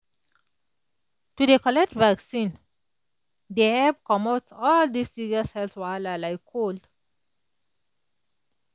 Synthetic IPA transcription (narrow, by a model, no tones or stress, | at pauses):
tudəkɔlɛkʈvæksĩn | d̪eɛbkɔmotsɔld̪isːiɾiəshɛltswaɪlalaɪkʰːold